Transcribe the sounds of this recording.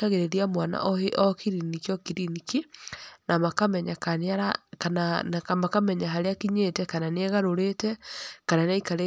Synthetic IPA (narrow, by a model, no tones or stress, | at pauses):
aɣeɾeɾiamwana̰ʔɔheʔɔkiɾinikiɔkiɾinikinamakamɛɲakanaɾakanamakamɛɲaɦaɾeakiɲetɛkananeɛɣaɾoɾetɛkananaikaɾe